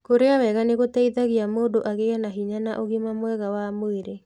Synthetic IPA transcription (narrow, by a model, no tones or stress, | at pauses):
koɾeawɛɣaneɣotɛiðaɣiamoːdoʔaɣeanaɦiɲanaʔoɣimamwɛɣawamoeɾe